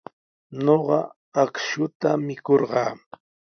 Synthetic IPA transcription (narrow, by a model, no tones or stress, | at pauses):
noɢɑ | akʃʊt̪amɪkoɾɢɑː